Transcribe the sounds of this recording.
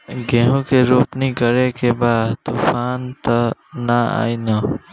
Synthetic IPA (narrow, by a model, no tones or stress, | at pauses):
ɡɛɦõkeɾoːpnikəɾekebaːd̪t̪uːfaːnt̪aːaa̰ːinaː